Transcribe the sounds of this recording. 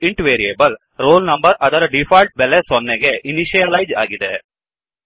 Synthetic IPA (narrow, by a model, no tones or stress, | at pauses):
ɪɳʈʋeːɾieːbɐl | ɾoːlnɐmbɐɾʔɐðɐɾɐɖɪfaːlʈ̚bɛlesɔnːɛɡeʔɪnɪʃijɐlɐjd͡ʒa̰ːɣɪðḛ